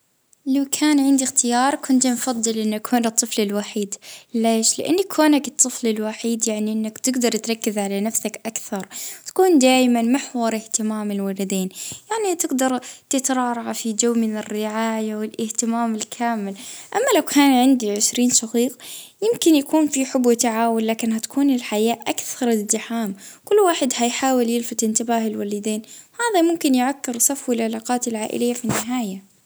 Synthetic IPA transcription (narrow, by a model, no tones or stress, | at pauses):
lawkʰaːnʕɪnd̪ixt̪ɪjɑːɾˤkʰʊnt̪mfɑðˤːɨlʔɪnːakʰhoːnɨt̪ˤːɨflɪlwaħiːd̪leːʃlɪ̰ʔa̰nːakːoːnakɨt̪ˤːɨflɪlwaħiːd̪jaʕniʔɪnːakt̪ɪɡd̪ɑɾˤt̪ɾˤɑkːɪzʕalanafsakʔakθɑɾˤt̪ḁkuːnd̪aːjmanmaħwɑɾˤʔɪht̪ɪmaːmɪlwalad̪eːnjaʕnit̪ɪɡd̪ɑɾˤt̪ɪt̪ɾˤɑːɾˤɑʕafid͡ʒawːmɪnɪrːɪʕaːjawɪlʔɪht̪ɪmaːmɪlkʰaːmɪlʔamːalawkʰaːnʕɪnd̪iʕɪʃɾiːnʃɑqiːqjɪmkɪnjakuːnfiħʊbwt̪aʕaːwʊlːaːkɪnhat̪ḁkʰuːnɪlħajaːʔʔakθɑɾˤɪzːɪħaːmkʊlːwaːħɪd̪hajħaːwɪljɪlfat̪ˤʔɪnt̪ɪbaːɦɪlwalɪd̪eːnwhaːðamʊmkɪnjʕakːɪɾsˤɑfwɪlʕɪlaːqɑːt̪ɪlʕaːʔɪ̰lɪjːafinːɪɦaːja